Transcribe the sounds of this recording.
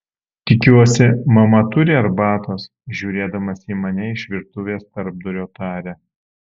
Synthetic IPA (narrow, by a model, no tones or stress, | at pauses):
t̪ʲɪkʲuɔsʲɪmɐmɐt̪ʊɾʲeːɐɾbɑːt̪oːs | ʒʲuːɾʲeːd̪ɐmɐsʲiːmɐnʲɛɪʃʲʋʲɪɾt̪ʊʋʲeːst̪ɐɾb̚d̪ʊɾʲoːt̪ɑːɾʲɛ